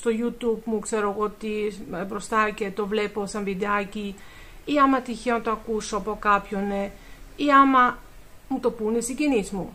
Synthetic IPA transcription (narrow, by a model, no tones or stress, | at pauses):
st̪o̞ʝut̪ubmukse̞ɾo̞eɣo̞ot̪ibɾo̞st̪ɐce̞t̪o̞vle̞po̞sɐɱvid̪eɐci | iɐmɐt̪içeonɐt̪oɐkusoɐpo̞kɐpço̞ne | iɐmɐ | mut̪o̞punesiɟinizmu